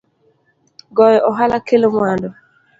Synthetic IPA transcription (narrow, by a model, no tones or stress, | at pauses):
ɡɔjɔʔɔɦalakelomwandɔ